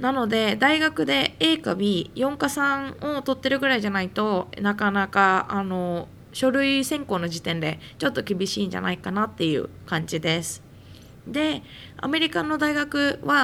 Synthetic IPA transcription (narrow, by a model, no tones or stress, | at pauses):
nano̞d̪e̞d̪aiɡakɯ̟d̪e̞e̞ːkabʲijõ̞ŋkasãɴot̪o̞t̪ːe̞ɾɯ̟ɡɯ̟ɾaiʑanait̪o̞nakanakaano̞ | ɕo̞ɾɯ̟isẽ̞ŋko̞ːno̞d͡ʑit̪ẽ̞nd̪e̞ | t͡ɕo̞t̪ːo̞kʲibʲiɕiːɲd͡ʑa̰na̰ikanat̪ːe̞jɯ̟̰ː | kãɲ̟d͡ʑid̪e̞sɨ̥ | d̪e̞ | a̰me̞ɾʲikanːo̞d̪aiɡakɯ̟βa